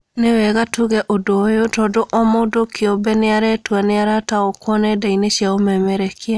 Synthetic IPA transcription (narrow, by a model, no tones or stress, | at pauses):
newɛɣatuɣɛʔodojotɔdoʔɔmodokʰeobɛneaɾɛtwaneaɾataokwɔnɛdaineʃjaomɛmɛɾɛkʰia